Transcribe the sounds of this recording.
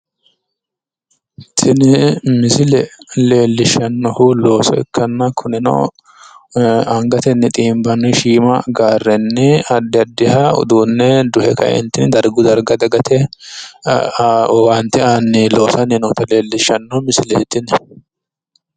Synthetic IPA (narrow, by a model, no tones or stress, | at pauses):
t̪ʰɪnɪmɪsɪlɛle̞ːlːɪʃɐnːɔhʊlo̞ːsɔɪ̰kʰːɐnːɐkʰʊnɪnɔ̰ | ɐŋɡɐt̪ɛnːɪt̪ʼiːmbɐnʊʃiːmɐ̰ɡaːrːɛnːɪɐd̪ːɪɐd̪ːɪhɐʊ̰d̪uːnːɛd̪ʊhɛkɐ̰ʔɛ̰nt̪ːɪnd̪ɐɾɡʊd̪ɐɾɡɐd̪ɐɡɐt̪ʰɛ | want̪ɪanːɪlo̞ːsɐnːɪnɔt̪ɐle̞ːlːɪʃːɐnːɔhmɪsɪlɛhɛt̪ːɪnɛ